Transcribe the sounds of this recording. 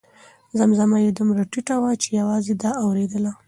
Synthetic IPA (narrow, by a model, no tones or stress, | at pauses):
zamzamajed̪umɾaʈiʈawat͡ʃe̥jawɑzed̪ɑawɾed̪əla